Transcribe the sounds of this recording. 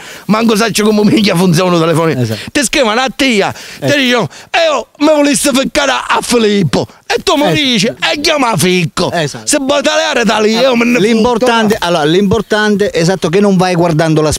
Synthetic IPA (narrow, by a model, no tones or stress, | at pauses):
maŋɡus̬at͡ʃːɪkumumiŋkːafunt̪sjɔnut̪ɛlɛfɔːnit̪ɪskiːvanat̪ːiːat̪ɪd̪iːt͡ʃoɛːomɪvʊlist̪ːɪfɪkːaːɾaʔafːilipːʊ | ɛt̪ːumʊɾiːt͡ʃiɛɟːamafikːʊsɪbːɔt̪alɛaːɾɛt̪aliɛomenːlimpoɾt̪ant̪eʔalːɔːɾalimpoɾt̪ant̪eʔɛsat̪ːok̬ɪnːʊɱvajɡwaɾd̪and̪ʊlas